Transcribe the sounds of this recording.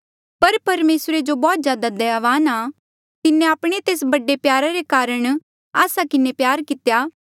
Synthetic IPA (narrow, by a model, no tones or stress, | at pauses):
pɐɾpɐɾmeːsɾed͡ʒobɔːt̪zjaːd̪ad̪ɛaːʋaːna | kɪnẽaːpɽ̃et̪eːs̬bɐɖepjaːɾaɾekaːɾəɽ̃ | aːsakɪnepjaːɾkɪt̪ejaː